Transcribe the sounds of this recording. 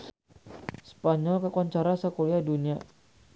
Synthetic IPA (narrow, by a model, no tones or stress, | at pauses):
spaɲɔlkakuaɲt͡ʃaɾasakoɾiadunia